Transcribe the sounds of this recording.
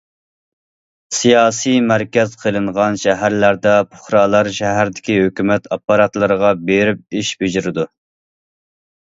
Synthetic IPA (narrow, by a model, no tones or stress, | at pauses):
sijɑːsijmæɾkʲɛz̥qʰəlˠɨɴʁɑnʃɛɦæɾlæɾd̪ɛpʰoχɾɑːlˠɑɾʃɛɦæɾd̪ɪ̥kʲiɦøkʲymɛt̪ʰɑpːɑɾɑt̪lˠɨɾəʁɑbeɾɪp̚iʃbed͡ʒɪɾɪd̪u